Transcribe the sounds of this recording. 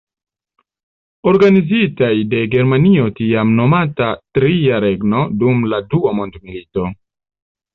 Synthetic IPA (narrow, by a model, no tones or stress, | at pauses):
o̞ɾɡanizitajde̞ɡe̞ɾmanio̞tiamno̞matatɾijaɾe̞ɡno̞dumladuamondmilito̞